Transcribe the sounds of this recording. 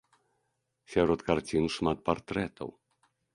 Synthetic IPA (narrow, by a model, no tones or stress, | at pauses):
sʲaɾɔt̪kart͡sʲinʂmat̪̚part̪ɾɛt̪ʰɐ̰w